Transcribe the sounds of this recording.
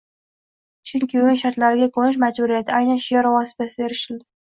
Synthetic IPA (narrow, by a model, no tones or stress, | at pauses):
t͡ʃʰʊŋkʲʰɪʊɪŋʃaɾt̪laɾɪɡʲakʰonɪʃ̬mad͡ʒbʊɾijat̪ʰɪajnanʃɪjaɾwɒsɪ̥t̪ʰasɪeɾɪʃɪld̪ɪ